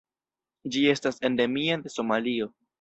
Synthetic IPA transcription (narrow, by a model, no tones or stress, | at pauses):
d͡ʒie̞stase̞nde̞miade̞so̞malio̞